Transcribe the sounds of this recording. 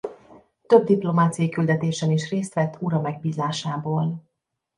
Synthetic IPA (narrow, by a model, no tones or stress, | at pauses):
t̪ø̞b̚d̪iplo̞maːt̪sijɒjikyld̪ɛt̪eːʃɛniʃreːst̪ʋɛt̪ːuɾɒmɛɡ̚biːzaːʃaːboːl